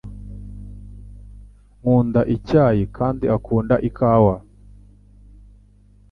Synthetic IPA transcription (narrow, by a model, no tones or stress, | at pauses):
ŋuːndaʔicaːjikʰaːndiakʰuːndaʔikʰaːwa